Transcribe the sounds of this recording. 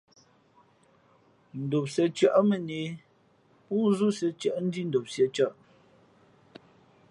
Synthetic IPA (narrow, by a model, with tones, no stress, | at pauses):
n̩˨do˨p̚sɛ˨t͡ʃɥə˦˨ʔmə˨ne˨˦ | puː˦zu˦sɛ˨t͡ʃə˨ʔn̩˦di˦n̩˨do˨p̚sjɛ˨t͡ʃə˦˨ʔ